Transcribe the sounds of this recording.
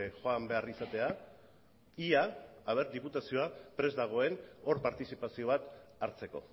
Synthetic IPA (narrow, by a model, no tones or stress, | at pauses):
xo̞ambe̞arisat̪e̞a | iaːβ̞e̞ɾd̪iput̪asio̞apɾe̞zd̪aɣ̞o̞e̞no̞ɾpaɾt̪isipasio̞β̞at̪aɾt͡se̞ko̞̰